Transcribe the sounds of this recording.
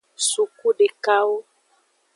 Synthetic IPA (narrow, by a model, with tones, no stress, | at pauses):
su˨ku˦ɖe˨ka˦wo˦